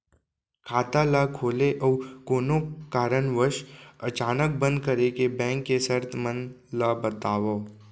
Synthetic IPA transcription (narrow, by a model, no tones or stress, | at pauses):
kʰaːt̪alakʰoːleʔɔːkoːnokaːɾənʋəɾʃət͡ʃaːnək̚bə̃nd̪̚kəɾekebɛ̃ːŋkːesəɾt̪ʰmən | labət̪aːʋoː